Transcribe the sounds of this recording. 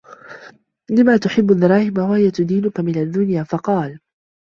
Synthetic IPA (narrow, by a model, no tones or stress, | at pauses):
lɪmaːt̪ʊħɪbːʊd̪ɑɾˤɑːhɪmawahɪjat̪ʊd̪iːnʊkamɪnad̪ːʊnjaːfɑqɑːl